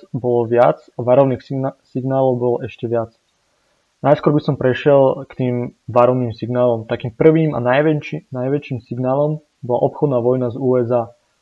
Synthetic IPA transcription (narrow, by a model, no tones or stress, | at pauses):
bɔlɔʋɪat͡saʋaɾɔʊniːxsiɡnaːlɔʊbɔlɔʔɛʃcɛʋɪat͡s | najskʊɔɾbisɔmpɾɛʃɪɛlkt̪iːmʋaɾɔʋniːmsiɡnaːlɔmt̪akiːmpr̩ʋiːma̰naɛnajʋɛt͡ʃiːmsiɡnaːlɔm | bɔla̰ʔɔpxɔd̪naːʋɔjnazuːɛzaː